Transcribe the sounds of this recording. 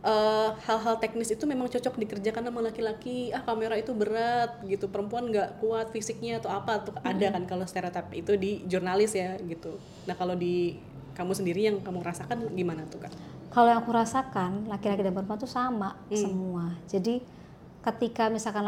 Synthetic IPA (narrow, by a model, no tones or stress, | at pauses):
ʔəhalɦalt̪ɛk̚nɪsit̪umemaŋt͡ʃɔt͡ʃɔk̚dikərd͡ʒakanːamaŋlakilakiahkameɾait̪ubəɾat̪̚ɡit̪upəɾəmpuanɡaʔkuat̪̚fisɪk̚ɲat̪oapat̪uhadakankalost̪eɾot̪ap̚it̪udid͡ʒurnalɪsjaɡit̪u | nahkalodi | kamusəndiɾijaŋkamuɾasakanɡimanat̪ukankalojaŋkuɾasakanlakilakidanpəɾəmp̬uant̪usamasəmuad͡ʒadi | kət̪ikamisalka